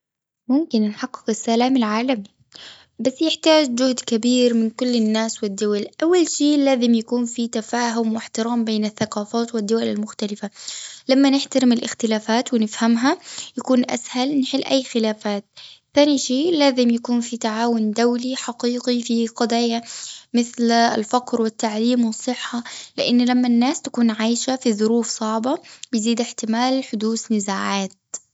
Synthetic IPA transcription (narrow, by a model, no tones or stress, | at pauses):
mʊmkɪnnħɑqːɪ̥qɪsːalaːmalʕaːlami | basːjɪħt̪aːd͡ʒd͡ʒʊhd̪kabiːɾmɪnkʊlːɪnːaːswɪd̪ːʊwalʔawːalʃiːlaːzɪmjakuːnfit̪afaːɦʊmwɪħt̪ɪɾaːmbeːnaθːaqɑːfaːt̪wɪd̪ːʊwalalmʊxt̪alɪfalamːanɪħt̪aɾɪmɪlʔɪxt̪ɪlaːfaːt̪wɪnɪfhamɦajakuːnʔa̰shalnħɪlːʔajːxɪlaːfaːt̪̚θaːniʃiːlaːzɪmjakuːnfit̪aʕaːwʊnd̪awliħɑqiːɡifiqɑd̪ˤɑːjamɪθl̰lfɑqɾwɪt̪ːaʕliːmwɨsˤːɨħːɑlɪʔɪnːlamːanːaːst̪ḁkuːnʕaːjʃafiðʊɾuːfsˤɑʕbɑbɪjziːd̪ɪħt̪ɪmaːlħʊd̪uːsnɪzaːʕaːt̪̚